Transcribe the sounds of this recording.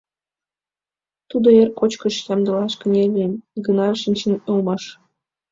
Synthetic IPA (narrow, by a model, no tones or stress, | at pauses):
t̪ud̪oerkot͡ɕkə̆ʃjɑmd̪ɤ̆lɑʃkə̆nʲelʲiɡə̆nɑʃinʲt͡ɕə̆nolˠmɑʃ